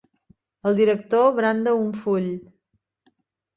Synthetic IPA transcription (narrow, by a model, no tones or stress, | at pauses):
əlˠd̪iɾək̚t̪oβɾand̪əuɱfuʎ